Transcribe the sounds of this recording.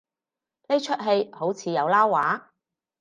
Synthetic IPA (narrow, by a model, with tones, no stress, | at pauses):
le˥t͡ʃʰɵ˥t̚ɦe˧jho˨˥wt͡sʰiː˨˧jɐ˨˧wlaː˥wːaː˨˥